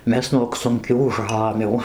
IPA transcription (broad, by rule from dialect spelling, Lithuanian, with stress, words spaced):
ˈmʲɛs nuɔk sʊŋʲˈkʲuː ˈʒɑːmʲuː